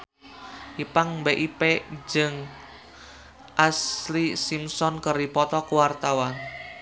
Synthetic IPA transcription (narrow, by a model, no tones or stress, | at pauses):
ʔipaŋbeʔiped͡ʒəŋ | ʔaslisimsɔnkəripɔt̪ɔkuwart̪awan